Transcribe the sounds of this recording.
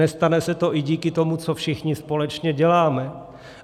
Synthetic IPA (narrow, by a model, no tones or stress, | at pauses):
ɛst̪anɛsɛt̪o̞ʔɪɟiːkɪt̪o̞mut͡sofʃɪxɲɪspo̞lɛt͡ʃɲɛɟɛlaːmɛ